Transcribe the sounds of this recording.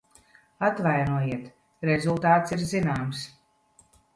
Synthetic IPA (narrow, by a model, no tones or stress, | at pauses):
at̪vajnuɔjiɛt̪ | ɾɛzulˠt̪aːt̪siɾzinaːms